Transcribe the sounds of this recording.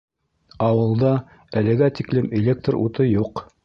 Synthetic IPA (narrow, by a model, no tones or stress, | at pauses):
ɑwɤ̆lˠd̪ɑ | ælɘ̆ɡæt̪iklɘmelʲek̚t̪rṵt̪ɤjuq